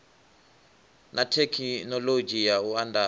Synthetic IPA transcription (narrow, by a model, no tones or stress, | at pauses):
nʔatʰɛkʰinɔlod͡ʒijauanda